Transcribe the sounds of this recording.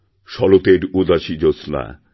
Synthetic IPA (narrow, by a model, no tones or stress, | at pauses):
ʃɔlot̪eɾud̪aʃid͡ʑosna̰